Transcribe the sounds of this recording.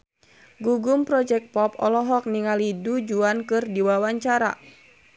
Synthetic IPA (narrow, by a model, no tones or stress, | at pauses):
ɡuɡumpɾɔd͡ʒɛk̚t̪̚pɔpɔlɔɦɔk̚niŋalidud͡ʒuankɨrdiwawaɲt͡ʃaɾa̰